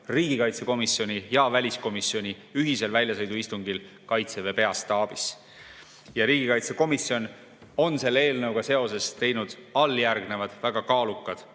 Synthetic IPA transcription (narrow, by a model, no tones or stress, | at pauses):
riːɡ̥ikɑjt̪se̞ko̞misjo̞nʲijɑvælʲisko̞misio̞nʲi | yɦise̞lvælʲjɑsɤjd̪uist̪uŋɡil | kɑjt̪seve̞pe̞ɑst̪ɑːb̥is | jɑɾiːɡikɑjt̪se̞ko̞misjo̞n | o̞nse̞lːee̞ːlnɤwɡ̥ɑse̞o̞se̞st̪e̞jnud̪̥ɑlːjærɡne̞vɑd̪̥væɡ̥ɑkɑːlukˑːɑd̪̥